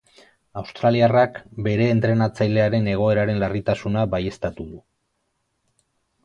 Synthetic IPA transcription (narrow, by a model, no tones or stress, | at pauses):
awst̪ɾaliarakbe̞ɾe̞ːnt̪ɾe̞nat͡sajle̞aɾe̞ne̞ɣ̞o̞e̞ɾaɾe̞nlarit̪asunabaje̞st̪at̪uðu